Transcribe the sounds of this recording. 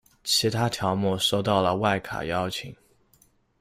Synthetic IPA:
t͡ɕʰi˧˥t̪ʰa˥t̪ʰjɑ˧˥ʊmɔ˥˧ʂo˥˧ʊt̪ɑ˥˩ʊlə˩wa˥˩ɪkʰa̰˨˩jɑ˥ʊt͡ɕʰi˨˩˦ŋ

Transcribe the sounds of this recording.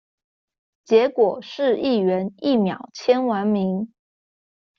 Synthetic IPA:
t͡ɕjɛ˧˥kwɔ˨˩ʂɻ̩˥˧i˥˩ɥɛ˧˥ni˥˩mjɑ˨˩˦ʊt͡ɕʰjɛ˥nwa˧˥nmi˧˥ŋ

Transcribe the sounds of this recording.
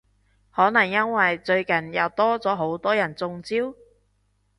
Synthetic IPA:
hɔː˨˥nɐ˨˩ŋjɐ˥nwɐ˨jt͡ʃɵ˧ɥkɐ˨njɐ˨˧wt̪ɔː˥t͡sɔː˨˥ɦo˨˥wt̪ɔː˥jɐ˨˩nt͡sʊ˧ŋt͡siː˥w

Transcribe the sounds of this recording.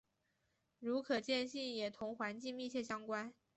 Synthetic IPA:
ɻu˧˥kʰɤ˨˩t͡ɕjɛ˥˧nɕi˥˩njɛ˨˩t̪ʰʊ˧˥ŋxwa˧˥nt͡ɕi˥˧ŋmi˥˧t͡ɕʰjɛ˥˩ɕjɑ˥ŋkwa˥n

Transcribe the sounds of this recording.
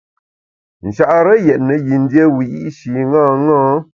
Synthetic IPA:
n̩˨ʃa˨ʔɾə˦jɛ˨ʔnə˨ji˨n̩˦dje˦wi˨ḭ˦ʔʃi˨ŋa˦ŋɔ˦

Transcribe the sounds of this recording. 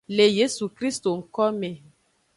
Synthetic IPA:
le˨je˦su˨kɾi˦st̪o˨ŋ̩˦kɔ˦me˨

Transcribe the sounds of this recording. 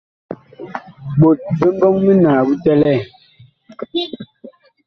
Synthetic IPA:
ɓo˨t̚be˦m˦bɔ˦ŋmi˦naː˨bu˦tɛ˦lɛ˦˨

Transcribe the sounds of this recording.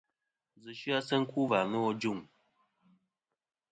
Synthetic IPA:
zɨ˨ʃɯ˦a˦sə˦ŋ̩˦ku˦va˨mɨ˦ɔ˦d͡ʒu˦˨ŋ

